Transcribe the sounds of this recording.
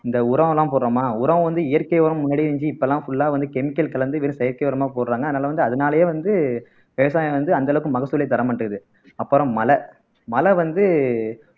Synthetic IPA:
ɪnd̪ɐʊɾɐʋɐ̃lãːp̬oːɾɾoːmaːʊɾɐʋɐ̃ʋɐnd̪ɯɪjɐɾkɐjʋɔːɾɐmːʊnːɐːɽiɛɲd͡ʒiɪpːɐlːãːfʊɭːaːʋɐnd̪ɯkɛmɪkːɐlkɐlɐnd̪ɯʋeɾɯ̃sɛjɐɾkɐjɔːɾɐmaːpoːɾɾaːŋɡɐðɯnaːlɐʋɐnd̪ɯɐðɐnaːlɐjeːʋɐnd̪ɯ | ʋeːʋɐs̬aːjɐ̃ʋɐnd̪ɯɐnd̪ɐɭɐʋɯkːɯmɐɣɐsɯlɐɪt̪ːɐɾɐmɐɳːɯɯðɯ | ɐpːɐɾɯ̃mːɐlɐ | mɐlɐʋɐnd̪ɯ

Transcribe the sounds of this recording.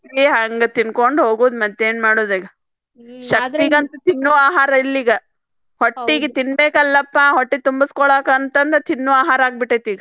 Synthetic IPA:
iɦaŋɡet̪inkoɳɖɦoːɡuːd̪mɐd̪ːeːnmaːɽoːd̪iːɡɐ | ʃɐkt̪iɡɐnt̪ɐt̪inːuaːɦaːɾɐilːiːɡɐ | hoʈːiɡet̪inbeːkɐlːɐpːaɦoʈːit̪umbiskɔɭaːkɐnt̪ɐnd̪ɐt̪inːuaːɦaːɾaːɡ̚biʈːet̪iːɡɐ

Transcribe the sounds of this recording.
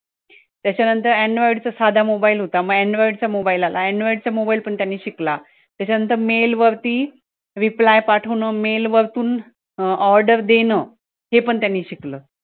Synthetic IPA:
t̪jat͡ɕanənt̪əɾeɳɖʋaiɖt͡səsad̪ʱamobailɦot̪aməɡeɳɖʋaiɖt͡samobailala̰eɳɖʋaiɖt͡samobailpəɳt̪janːiːɕikla | t̪jat͡ɕanənt̪əɾmelʋəɾt̪iː | ʋiplajpaʈʰəʋnəːmelʋəɾt̪uːn | ɔɾɖəɾd̪enəː | hepəɳt̪janːiːɕikləː

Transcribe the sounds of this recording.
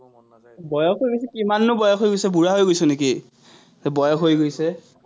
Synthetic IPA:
bɔjɔkojɡojsɛkimanːʊbɔjɔxʰojɡojsɛbuɹaɦojɡojsʊneki | ɛbɔjɔxɦojɡojsɛ

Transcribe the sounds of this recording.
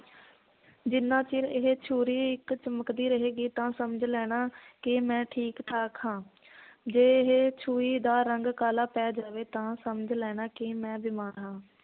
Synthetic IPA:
d͡ʒɪnːãːt͡ʃiːlɪɦeːt͡ʃʰuːɾiːɪkt͡ʃəməkd̪iːɾəɦeːɡiːt̪ãːsəməd͡ʒlɛːɽ̃aːkɪmɛ̃ːʈʰiːkʈʰaːkɦãː | d͡ʒeːɦet͡ʃʰuːiːd̪aːɾəŋɡkaːlaːpɛːd͡ʒaːʋeːt̪ãːsəməd͡ʒlɛːɽ̃aːkɪmɛ̃ːbɪmaːɾɦãː

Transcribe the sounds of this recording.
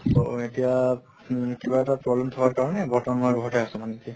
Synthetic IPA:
so̰etija | kibaɛtapɹɔblɛmt̪ʰɔkaɹkaɹɔnɛbʱɔtɔnɔɹuɡʱɔtɛasɛmanɛtia

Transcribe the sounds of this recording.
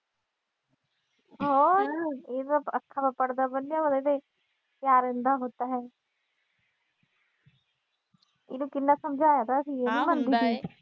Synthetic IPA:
ɦɔːɪaəkʰːaːbapəɽd̪abənːjaʋəd̪ed̪e | pjaːɾẽnd̪aɦoːt̪aːɦɛː | ɪ̰nũːkɪnːaːsəmd͡ʒʱaːjaːt̪ʰaəsĩeːnĩːmənd̪iːɡiː

